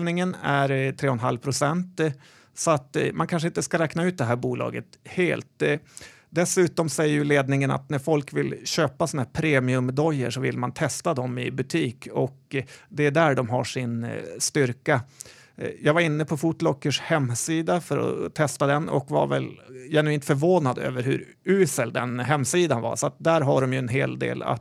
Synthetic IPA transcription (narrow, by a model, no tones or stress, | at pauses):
lnɪŋənæɾt̪ʰɾeːɔnɦalpʰɾʊsɛnt̪ | sɔat̪mʔankʰanʂ̬əɪnt̪əskaɾɛːknaʉ̟ːt̪̚d̪ɛɦæːɾbuːlɑ̰ːɡə̰t̪heːlt̪̚ | d̪ɛsʉ̟ːt̪ɔmsɛjːəɾjɵleːd̪nɪŋəna̰t̪næɾfɔlkvɪlɕøːpasɔnahæːɾpʰɾeːmɪɵmd̪ɔjːə̰ʂɔvɪ̰lmant̪ʰɛst̪ad̪ɔmɪ̰bɵt̪ʰiːkɔkd̪ɛæɖæɖɔmɦaʂɪnst̪ʏɾka | jɑːɡvaɾɪnːəpʰɔfuːt̪lɔkːəʂhɛmːsiːd̪afœɾɔ̰t̪ʰɛst̪ad̪ɛnɔ̰kva̰ɾvɛljɛnɵiːnt̪fœɾvoːnad̪ø̰ːvəɾɦɵ̰ɾ | ʉːsəld̪ɛ̰nɦɛmːsiːd̪anva̰ʂɔat̪̚d̪æɾɦaɖɔmjɵɛnɦḛːld̪ḛːla̰t̪